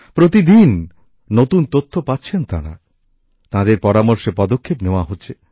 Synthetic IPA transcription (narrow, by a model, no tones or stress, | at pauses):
pɾot̪id̪inː | ot̪unt̪ot̪ʰːopatːɕʰent̪a̰ɽ̃a̰ | t̪ãd̪eɾpɔɾamoɾʃepɔd̪okʰːepneoaɦotːt͡ɕʰe